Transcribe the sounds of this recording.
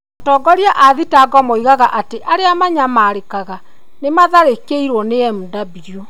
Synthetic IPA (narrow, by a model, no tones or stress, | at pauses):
ɔtɔːɡɔɾiaʔaðitaɡɔmɔiɣaɣaʔateʔaɾeamaɲamaːɾekaɣa | nemaðaɾekeiɾwɔneɛmudabiɾiɔ